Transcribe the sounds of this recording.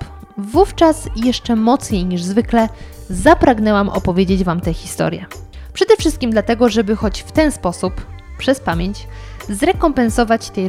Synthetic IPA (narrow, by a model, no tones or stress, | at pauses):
vuft͡ʂasjɛʂt͡ʂɛmɔt̪sɲejɲiʐzvɘklɛzapɾaɡnɛwamʔɔ̰pɔvʲjed͡ʑed͡ʑvamt̪ɛxʲist̪ɔ̰ɾʲjɛ̰pʂɛd̪ɛfʂɘst̪kʲimd̪lat̪ɛɡɔʐɛbɘxɔt͡ɕft̪ɛnspɔsup | pʂɛspamʲjeɲt͡ɕ | zɾɛkɔmpɛnsɔvat͡ɕt̪ɛj